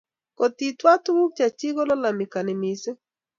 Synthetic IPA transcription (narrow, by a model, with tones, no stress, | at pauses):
ko˨ti˨twa˦tʊ˦wu˦k̚t͡ʃa˨t͡ʃi˦ɡo˦lɔ˦la˨mɪ˨ka˨nɪ˨mɪ˨se˦